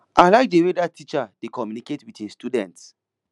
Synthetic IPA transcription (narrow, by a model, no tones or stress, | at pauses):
ʔaɪlaɪk̚dewedatʰit͡ʃadekɔmjuniketwitĩstudɛ̃nts